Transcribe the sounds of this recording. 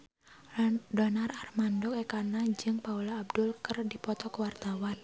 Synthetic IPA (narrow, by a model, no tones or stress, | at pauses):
dɔnararmandɔkekanad͡ʒɨŋpaulaːb̚dʊlkərdipɔt̪ɔkəwart̪awan